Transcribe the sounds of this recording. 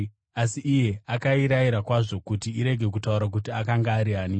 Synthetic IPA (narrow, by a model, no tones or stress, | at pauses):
asiʔːje̞akaiɾaiɾakwaʐo̞kutiiɾe̞ɡʱe̞kutauɾak̬utiakaŋɡaːɾiaːni